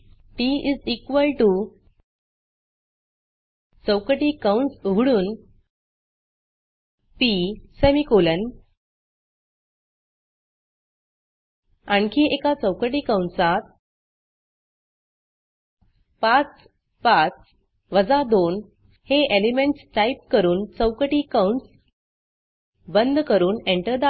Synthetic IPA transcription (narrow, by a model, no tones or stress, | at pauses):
piizikʋəlʈu | t͡səwkəʈikawɳsuɡʱɽuːn | pisemikolən | aɳkiʔekat͡səwkəʈiːkawɳsat̪̚ | pat͡s | pat͡s | ʋəd͡zad̪on | heʔelimeɳʈsʈajp̚kəɾuːnt͡səwkəʈiːkawɳʈs | bənd̪ʱkəɾuːneɳʈəɾd̪a